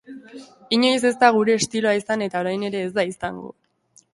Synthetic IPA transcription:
iɲo̞js̬e̞zd̪aɣ̞uɾe̞ːst̪ilo̞aisane̞t̪ao̞ɾajne̞ɾe̞ːzd̪aisaŋɡo̰

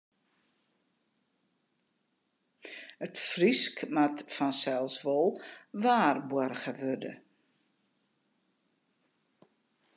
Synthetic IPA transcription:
ətfriskmatfɔnsɛlˠsʋɔlˠʋaːrbɔərxəʋødə̰

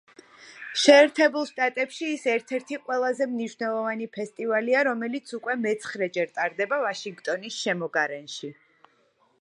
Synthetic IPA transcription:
ʃɛːɾt̪ʰɛbulˠʃt̪ʼat̪ʼɛpʃiːsɛɾt̪ʰɛɾt̪ʰiqʼwɛlˠazɛmniʃvnɛlˠɔvanipʰɛst̪ʼivaliaɾɔmɛlit̪sʰukʼwɛmɛt̪sʰχɾɛd͡ʒɛɾt̪ʼaɾd̪ɛbavaʃiŋɡt̪ʼɔnisʃɛmɔɡaɾɛnʃi

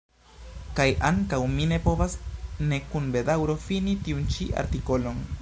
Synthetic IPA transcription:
kajʔaŋkawmine̞po̞vasne̞kunbe̞dawɾo̞finitiunt͡ʃiʔa̰ɾtiko̞lo̞n

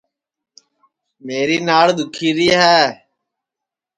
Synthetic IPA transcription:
meːɾiːnaːɭd̪ʊkʰiːɾiːɦɛː

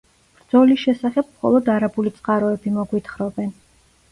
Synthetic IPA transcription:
b̥ɾd̪zɔlisʃɛsaχɛb̥̚mχɔ̰lˠɔd̪aɾabulit̪sʼqʼaɾɔɛbimɔɡwit̪ʰχɾɔbɛn

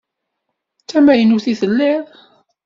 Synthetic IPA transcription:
t͡sːæmæjənuθiθəlːɪðˤ

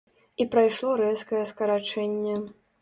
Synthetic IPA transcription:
ipɾajʂlˠɔɾɛskɐjɛskɐɾat͡ʂɛnʲːɛ

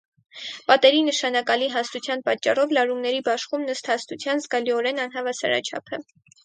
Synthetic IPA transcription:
pɑt̪ɛɾinəʃɑnɑkɑliɦɑst̪ut͡sʰjɑnpɑt͡ʃːɑrɔvlɑɾumnɛɾibɑʃχumnəst̪hɑst̪ut͡sʰjɑnzɡɑliɔɾɛnɑn̪ɦɑvɑsɑ̰ɾɑ̰t͡ʃʰɑ̰pʰə

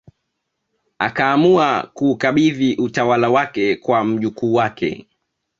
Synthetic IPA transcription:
a̰kaːmuakuːkaɓiðiʔutawalawakɛkwam̩ʄukuːwakʰɛ̰

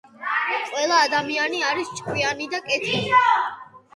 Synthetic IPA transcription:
qʼwɛlˠaːd̪amianiaɾist͡ʃʼkʼwianid̪akʼɛt̪ʰi

